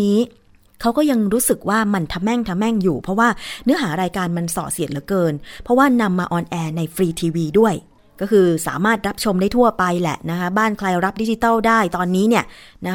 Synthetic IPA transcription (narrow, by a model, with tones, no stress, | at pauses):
niː˦˥ | kʰa˦˥wkɔː˥˩ja˧ŋɾuː˦˥sɯ˨˩k̚waː˥˩ma˧nt̪ʰa˧mɛ˥˩ŋt̪ʰa˧mɛ˥˩ŋjuː˨˩pʰɾɔ˦˥waː˥˩nɯ˦˥ɐɦaː˩˦ɾaː˧jkaː˧nma˧nsɔ̰ː˨˩t̪̚si˨˩ət̪̚lɯ˩˦kɤː˧npʰɔ˦˥waː˥˩na˧mːaː˧ʔɔː˧nʔɛː˧na˧jfɾiː˧t̪ʰiː˧wiː˧du˥˩əj | kɔː˥˩kʰɯː˧sa̰ː˩˦maː˥˩t̪̚ɾa˦˥p̚t͡ɕʰo˧mdaː˥˩jt̪ʰu˥˩ɐpa˧jlɛ̰˨˩ʔna˦˥kʰa˦˥baː˥˩nkʰla˧jɾa˦˥p̚di˦˥t͡ɕi˧t̪a˥˩wdaː˥˩jt̪ɔː˧nːiː˦˥ni˥˩ɐna˦˥